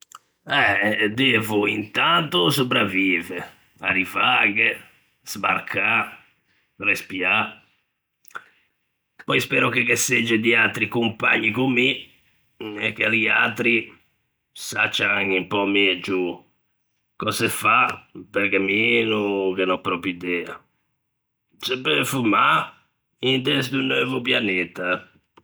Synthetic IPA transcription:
ɛd̪evuint̪ant̪usupɾaviːvɛ | a̰ɾivaɡɛ | z̥baɾkʰa | respia | pɔjspɛːɾɔk̟ekesed͡ʒːɛd̪iat̪ɾikumpa̰ɲːikumːi | ɛkːeɾia̰t̪ɾi | sat͡ʃːaaŋimpɔmid͡ʒu | kɔsɛfapɛɾkɛminukenɔpːɾɔpid̪ɛːa̰ | sɛbɛfuma | int̪ɛsd̪unːøːvupjanɛt̪a

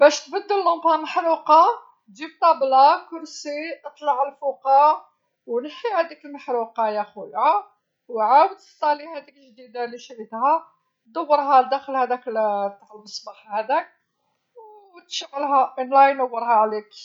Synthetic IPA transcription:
bæʃt̪bəd̪ːəlːʊmbhæməħɾuqɑ | ʒib̚t̪ˤɑblɑkʊɾsiʔət̪ˤlɑʕəlfuqɑ | wnəħːihæd̪ikəlməħɾuqɑjæxwja | wʕawəd̪sˤɑlihæd̪ikəlʒd̪id̪aliʃʕit̪hæ | d̪əwːəɾɦæld̪æxəlhæd̪ækəlt̪ːaʕəlməsˤbɑħhæd̪æk̚ | w | t̪ʃəɣːəlɦæʔinlæjnəwːəɾˤhæʕlik

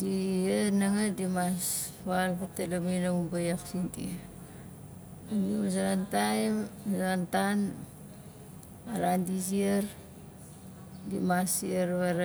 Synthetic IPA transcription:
dienaŋadimas | βalpatelaminamubajaksintḭ | nimas̬aɾantajmsantan | aɾandisieɾ | dimasiaɾβaɾ

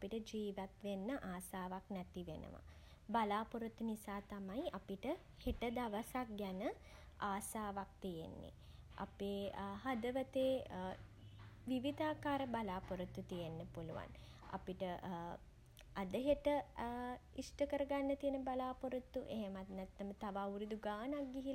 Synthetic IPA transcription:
apiʈəd͡ʒiːʋat̪ʋenːəʔaːsaːʋaknæt̪iʋenə̰ʋa̰ | balaːpuɾut̪ːunisaːt̪amajapiʈə | heʈəd̪aʋəsak̚ɡænə | aːsaːʋak̚t̪ijḛnːḛ | a̰peːɦad̪əʋət̪eː | ʋiʋid̪aːkaːɾəbalaːpoɾut̪ːut̪ijenːəpuluʋa̰n | a̰piʈə | ad̪əɦeʈə | isʈəkəɾəɡanːət̪ijənəbalaːpoɾət̪ːuʔeɦemat̪nɛt̪ːɐmət̪aʋaːuɾud̪uɡaːnak̚ɡiɦil

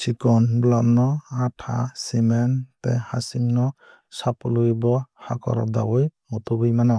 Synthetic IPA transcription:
sikɔnblamnɔatʰa̰simɛntɛhasimnɔ | sapulujbɔha̰kɔ̰ɾɔ̰d̪awɔjmɔt̪ubujmanɔ

